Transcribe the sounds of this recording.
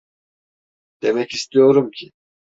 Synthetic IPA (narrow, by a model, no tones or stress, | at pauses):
d̪̥e̞mɛcist̪ʰijo̞ɾumcʰɪ